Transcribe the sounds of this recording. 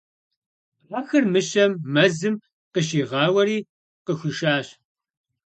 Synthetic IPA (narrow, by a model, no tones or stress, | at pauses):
ɐxɨrmɨʃɐmːɐzɨm | qəʃiːʁɑːwɐɾiː | qəxʷɨʃaːɕ